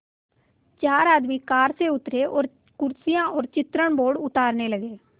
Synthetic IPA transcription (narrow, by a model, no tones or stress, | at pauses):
t͡ʃaːɾaːd̪miːkaːɾseːʊt̪ɾeːʔɔːɾ | kʊɾsɪjãːʔɔːɾt͡ʃɪt̪ɾəɳboːɽʊt̪aːɾneːləɡeː